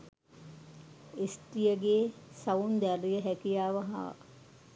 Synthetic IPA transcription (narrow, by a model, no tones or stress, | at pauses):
esʈijəɡeːsaund̪æɾijəɦækijaːʋəɦa̰